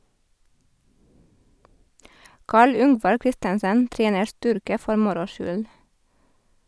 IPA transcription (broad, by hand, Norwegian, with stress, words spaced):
ˈkɑːɭ ˈʏŋʋɑɾ ˈkɾɪstənsən ˈtɾeːnəɾ ˈstʏɾkə ˈfɔɾ ˈmʊɾʊ ˈʃʏl